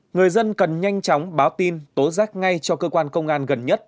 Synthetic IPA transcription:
ŋɨ˨˩əjzə˧nkə˨˩nɲa˧jŋ̟t͡ɕɔ˨˦wŋ͡mɓaː˨˦wt̪i˧nt̪o˨˦zaː˦˥k̚ŋa˧jt͡ɕɔ˧kəː˧kwaː˧nkə˧wŋ͡mʔaː˧nɣə˨˩nɲə˦˥t̚

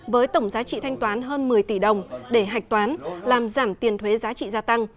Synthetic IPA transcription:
vəː˨˦jt̪ə˧˩wŋ͡mzaː˨˦t͡ɕḭ˧˨t̪ʰa˧jŋ̟t̪waː˨˦nɦəː˧nmɨ˨˩əjt̪i˧˩ɗə˨˩wŋ͡mɗe˧˩ɦa˨˩jk̟̚t̪waː˨˦nlaː˨˩mzaː˧˩mt̪i˨˩ənt̪ʰwe˨˦zaː˨˦t͡ɕḭ˧˨zaː˧t̪a˧ŋ

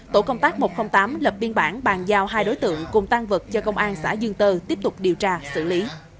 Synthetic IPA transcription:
t̪o̰˧˩kə˧wŋ͡mt̪aː˦˥k̚mo˨˩xə˧wŋ͡mt̪aː˨˦mlə˨˩p̚ɓi˧ənɓaː˧˩ŋɓaː˨˩ŋzaː˧wɦaː˧jɗo˨˦jt̪ɨ̰˧˨əŋkʊ˨˩ŋ͡mt̪a˧ŋvɨ˨˩k̚t͡ɕɔ˧kə˧wŋ͡mʔaː˧nsa̰ː˧˥˩zɨ˧ŋt̪ɨ˧t̪i˦˥əp̚t̪ʊ˨˩k͡p̚ɗi˨˩əwt͡ɕaː˧sɨ̰˧˩li˨˦

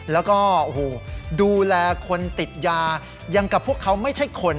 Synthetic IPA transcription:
lɛː˦˥wkɔː˥˩ʔo˨hoː˨˩duː˧lɛː˧kʰo˧nt̪i˨˩t̪̚jaː˧ | ja˧ŋka˨˩pʰu˥˩əkʰːa˦˥wma˥˩jt͡ɕʰa˥˩jkʰo˧n

